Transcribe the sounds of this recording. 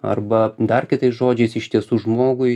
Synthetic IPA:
ɐ̰rbɐd̪ɐrkʲɪt̪ɐɪsʒoːd͡ʒʲɛɪsɪʃt̪ʲiɛsuːʒmoːɡʊɪ

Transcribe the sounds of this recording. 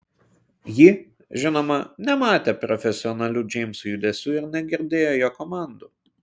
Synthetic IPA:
jɪ | ʒʲɪnoːmɐnʲɛmɑːt̪ʲeːpɾɔfʲɛsʲɪɔnɐlʲuːd͡ʒʲɛɪmʲsʊjʊd̪ʲɛsʲuːɪɾnʲɛɡʲɪɾʲd̪ʲeːjoːjoːkɔmɑˑnd̪uː

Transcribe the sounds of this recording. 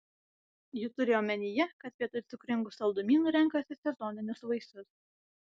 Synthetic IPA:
jut̪ʊɾʲɪɔmʲɛnʲɪjɛkɐt̪̚pʲiɛt̪ʊt̪ʲʊkɾʲɪŋɡʊsɐlˠd̪ʊmʲiːnʊɾʲɛŋkɐsʲɪsʲɛzonʲɪnʲʊsʋɐɪsʊs

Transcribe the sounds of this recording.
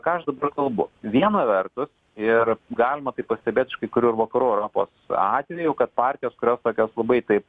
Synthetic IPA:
kɑːɐʃd̪ɐbɐrkɐlˠbʊʋʲiɛnɐʋʲɛrt̪ʊs | ɪrɡɑːlʲɪmɐt̪ɐɪpɐsʲt̪ʲɛbʲeːt̪ɪʃkɐɪkʊɾʲuːɪɾʋɐkɐɾuːɛʊɾoːpo̰ːsɑ̰ːt̪ʲʋʲɛjʊkɐt̪̚pɑːrʲt̪ʲɪjoːskʊɾʲoːst̪oːkʲoːslˠɐbɐɪt̪ɐɪp

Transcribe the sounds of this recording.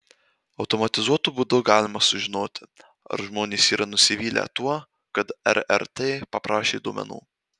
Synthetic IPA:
ɒʊt̪ɔmɐt̪ʲɪzuɔt̪uːbuːd̪ʊɡɑːlʲɪmɐsʊʒʲɪnoːt̪ʲɪ | ɐ̰ɾʒmoːnʲeːsiːɾɐnʊsʲɪʋʲiːlʲæ̰t̪uɔ | kɐt̪ɛ̰ɾɛ̰ɾt̪ʲeːpɐpɾɑːʃʲeːd̪uɔmʲɛ̰nṵː

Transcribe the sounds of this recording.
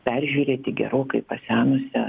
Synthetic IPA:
pʲærʲʒʲuːɾʲeːt̪ʲɪɡʲɛ̰ɾoːkɐɪpɐsʲæːnʊsʲɛ

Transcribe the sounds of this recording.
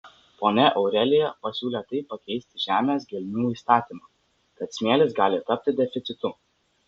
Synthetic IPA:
poːnʲɛʔɔʊɾʲɛlʲɪjɛpɐsʲuːlʲeːt̪ɐɪpːɐkʲɛɪsʲt̪ʲɪʒʲæːmʲeːs̬ɡʲɛlʲnʲuːiːst̪ɑːt̪ʲiːmɑː | kɐt̪sʲmʲeːlʲɪsɡɑːlʲɪt̪ɐp̚ʲt̪ʲɪd̪ʲɛfʲɪt̪sʲɪt̪ʊ

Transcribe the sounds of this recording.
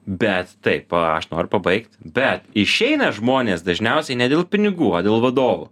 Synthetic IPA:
bʲɛt̪ːɐɪpɐɐ̰ʃnoːɾʲʊpɐbɐɪkt̪ʲbʲɛt̪ɪʃʲɛɪnɐʒmoːnʲeːsd̪ɐʒʲnʲɛʊsʲɛɪnʲɛd̪ʲeːlˠpʲɪnʲɪɡuːoːd̪ʲeːlˠʋɐd̪oːʋʊ̰

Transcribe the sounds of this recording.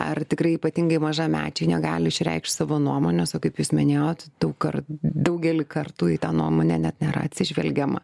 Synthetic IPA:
ɐ̰rt̪ʲɪkɾɐɪiːpɐt̪ʲɪŋɡɐɪmɐʒɑːmʲæ̰ːt͡ʃʲɛɪnʲɛɡɑ̰ːlʲɪɪʃʲɾʲɛ̰ɪkʃt̪sɑːʋoːnuɔmoːnʲosoːkɐɪpjuːsmʲɪnʲeːjoːt̪d̪̥ɐʊkɐrd̪ɐʊɡʲɛlʲɪkɐrt̪uːit̪ɑːnuɔmoːnʲɛnʲɛt̪nʲɛːɾɐ̰ɐt̪ʲsʲɪʒʲʋʲɛ̰lʲɡʲɛmɐ̰

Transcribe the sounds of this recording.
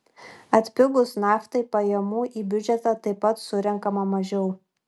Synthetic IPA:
ɐt̪ʲpʲɪɡʊsnɑːft̪ɐɪpɐjɛmuːʔiːbʲʊd͡ʒʲɛt̪ɑt̪ɐɪpːɐt̪sʊɾʲɛŋkɐmɐmɐʒʲɛʊ

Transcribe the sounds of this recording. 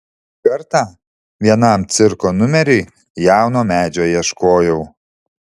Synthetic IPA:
kɐɾt̪ɑː | ʋʲiɛnɐˑmt̪sʲɪɾkoːnʊmʲɛɾʲɛɪ | jæˑʊnoːmʲæːd͡ʒʲoːjɛʃkoːjɛʊ

